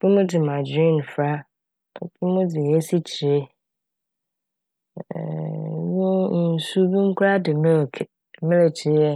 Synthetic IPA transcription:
b̥i˦mʊ̃˦dɪ˨mã˨d͡ʑĩ˦˨n˨fɾa˦˨ | bi˦mʊ̃˦dɪ˨e˦si˦t͡ɕʰi˨e˦˨ | nwʊ˦n̩˨˦n˨su˦bĩ˦m̩˦kʷʰʊ˦ɾa˦dɪ˨mɪ˦˨kʰ | mɪ̃˦le˨t͡ɕʰɪ˨˦ɛ˦

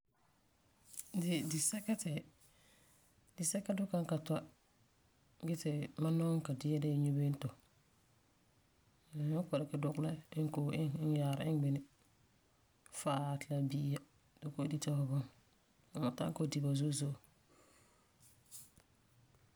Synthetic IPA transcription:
dɪ˨dɪ˨sɛ˦ka˦tɛ˨ | dɪ˨sɛ˦kːa˦dʊ˦ka˦ŋka˨ta˦ | ɡɪ˦tɪ˨ma˦nɔ˦ka˨dɪ˦a˦dɛ˦˨ɲu˦be˦n˦to˨ | nʊ˦kɔ˨ɾa˦kɪ˨dʊ˦kla˦ɪ˦ŋ˦ko˨ʔɪ˦ŋ˦n˦ja˨ɾa˨ɪ˦ŋɡ͡bɪ˨nɪ˨ | fa˨tɪ˨la˦bi˦ja˦ | d̥ʊ˦ko˦di˦tɔ˦hɔ˨bʊ˦n | a˨ma˨ta̰˦ŋ˦ko˦di˨ba˨zo˦zo˦˨

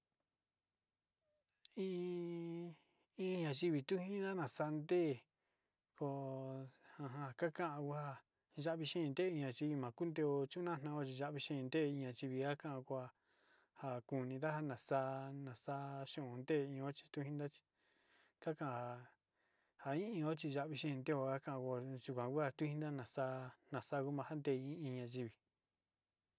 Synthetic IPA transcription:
ĩ˦ | ĩ˦˧ɲã˨ʒi˧βi˨t̪u˦hĩ˦n˦a˦nã˨sa˧nd̪e˦˨ | ko˧ | hã˧ɦã˧˨˧ka˦kã˦ʔã˧ku˦ha˧ | ʒa˦βi˧ʃẽ˦˧nd̪e˦ĩ˧ɲã˧t͡ʃi˧βi˧mã˨ku˦nd̪e˧o˧t͡ʃu˦nã˦˨nã˧o˧t͡ʃi˧ʒa˧˦ʔβi˧ʃẽ˦˧nd̪e˦˧ĩ˧ɲã˧t͡ʃi˧βi˧a˦kã˦ã˧kʷa˧ | ha˧ku˧nĩ˧d̪a˦a˦˧nã˨saː˧nã˨saː˦ʃũ˦˨˧nd̪e˦˧ĩ˧õ˦t͡ʃi̥˧t̪u˦hĩ˦nd̪a˦t͡ʃi̥˧ | ka˦kã˦˧ha˧ | ha˧ĩ˦ĩ˧o˦t͡ʃi˧ʒa˧ʔβi˧ʃĩ˦˧nd̪e˦o˧a˦kã˦ʔkʷo˧˨ʒu˧kʷã˨ku˦a˧t̪u˦hĩ˦nd̪a˦nã˨sa˧˦nã˨sa˦˧ku˦mã˧ha˦nd̪e˦˧˨ĩ˦ĩ˧ɲã˧ʒi˧βi˨

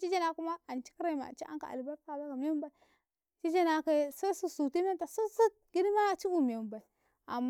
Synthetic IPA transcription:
t͡ʃi˦d͡ʒe˦na˦ku˦ma˦a˨nt͡ʃi̥˦kɾa˦˨ma̰˨t͡ʃi˦a̰˦ŋka̰˨a̰˨lba˦ɾka˨za˦ka˨m˦mba˦i˨˦ | t͡ʃi˦d͡ʒe˦na˦ka˦sa˦su˦su˨ti˦m˦e˦nta˨su˦su˦ | ɡ̥ʲi˦dma˦˨t͡ʃi˦u˨m˨e˨mba˨i˨ | a̰˨mː

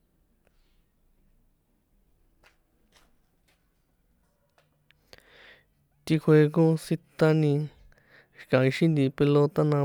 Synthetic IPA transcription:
t̪i˧kʰwe˧k̬õ˦si˧t̪a˧nĩ˧ | i̥˨˧kã˨ĩ˧ʃĩ˦nd̪ĩ˧˨pe˧lo˧t̪a˦nã˧

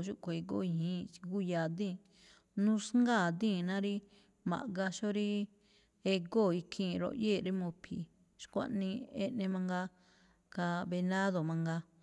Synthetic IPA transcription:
ʃu˦ʔko˨e˧ɡo̰˦˨i˧hĩ˦i˧ɡu˦ja˨d̪ĩ˦˨ | nũ˦sŋɡa˦˨d̪ĩː˦˨nã˦ɾi˦ | mã̰˨ʔɡa˧ʃo˦ɾi˦ | e˧ɡo˦˨i˧kʰĩː˧˨˧ɾo̰˧˨jeː˦˨ɾi˦mõ˧pʰi˨ | ʃkʷã̰˦˧ʔnĩ˧ḛ˧nẽ˧mã˧ŋɡa˧ | ka˧βe˧nã˦ðo˨mã˧ŋɡa˧

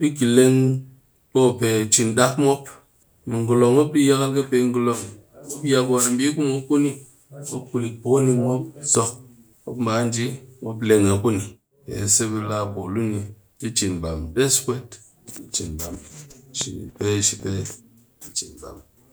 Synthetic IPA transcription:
bi˦ɡi˨le˦ŋ | bo˦˨pe˨t͡ʃi˨nɗa˦kmo˦p | mi˨ŋɡu˨lo˨ŋmo˦p̚ɗi˦ja˦ka˦lkɨ˦pe˧ŋ˦ɡu˨lo˧ŋ˨ | o˦ja˧kwa˨mbi˦ku˦mo˦ku˦ni˦ | mo˦ku˧li˨bo˨˦ni˧mo˦p̚so˧k̚ | mo̰˦pm̩ba˨˦n˦d͡ʒi˦mo˧p̬le˧ŋa˨ku˦ni˨ | pḛ˨se˦bi˧la˧bo˨lu˦ni˨ | ki˦t͡ʃi˨nba˨mɗe˦skʷe˦t | i˦t͡ʃi˨nba˨mʃḭ˨pe˦ʃi˨pe˦ | i˦t͡ʃi˨nba̰˨m

